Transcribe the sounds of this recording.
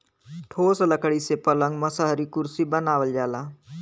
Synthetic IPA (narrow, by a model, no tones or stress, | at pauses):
ʈʰoːsləkɽisepələ̃ŋɡməsaɦɾikʊɾsibənaːʋəld͡ʒaːlaː